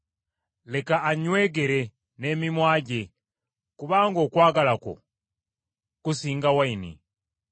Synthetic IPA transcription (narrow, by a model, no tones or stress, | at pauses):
lekaaɲweɡeɾe | nemimwaɟe | kuβaːŋɡokwaːɡalako̰ | kusiːŋɡawainḭ